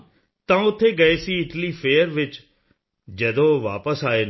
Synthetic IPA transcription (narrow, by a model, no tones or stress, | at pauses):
t̪ãːʊt̪ʰːeːɡəeːsiːɪʈliːpʰeːəɾʋɪt͡ʃ | d͡ʒəd̪õːʋaːpəsaːeː